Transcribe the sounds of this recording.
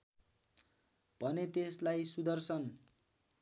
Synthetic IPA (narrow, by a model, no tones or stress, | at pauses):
b̥ʱʌnet̪eslajsud̪ʌrsʌn